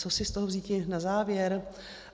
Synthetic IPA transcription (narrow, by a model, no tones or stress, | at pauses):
osɪst̪oɦovziːcɪnazaːvjɛɾ